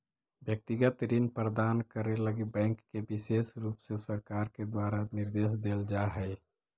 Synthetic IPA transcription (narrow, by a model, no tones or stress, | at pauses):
bjək̚t̪ɪɡət̪ɾinpɾəd̪aːnkəɾeləɡibɛ̃ːŋkːebɪseːsɾuːpsesəɾkaːɾked̪waːɾanɪɾd̪eːsd̪eːld͡ʒaɦɛː